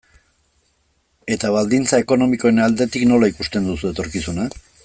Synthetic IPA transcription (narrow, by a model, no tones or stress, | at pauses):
e̞t̪aβald̪int͡sae̞ko̞no̞miko̞enald̪e̞t̪ikno̞laikust̪e̞nd̪usue̞t̪o̞ɾkisuna